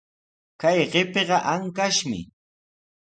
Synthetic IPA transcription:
kajɢepeɢɑʔaŋkaʃmɪ̰

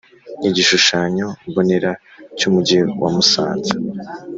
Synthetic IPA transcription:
niɟiʃuʃaɲo̞βone̞ɾa | cumuɟewa̰musa̰ːnza

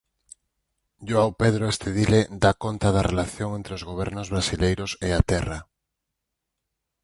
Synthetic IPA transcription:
ʎoawpeðɾoest̪eðiled̪akont̪að̞arelaθjoŋẽnt̪ɾeozɣoβ̞ɛɾnozβ̞ɾasilejɾoseat̪ɛra

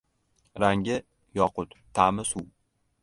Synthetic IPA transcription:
ɾaŋɡʲɪ | jɒqʊt̪ʰːamɪsuw

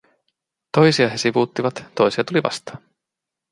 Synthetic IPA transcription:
t̪o̞jsiɑɦesiʋut̪ːivɑt̪t̪o̞jsiɑt̪ulivɑ̰st̪ɑ̥

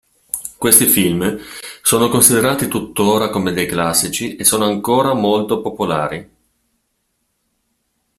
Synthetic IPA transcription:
kwest̪ifilmsoːnokonsid̪eɾaːt̪it̪ut̪ːoːɾakomed̪ejklasːit͡ʃiʔesːoːnoaŋkoːɾamolt̪opopola̰ːɾi

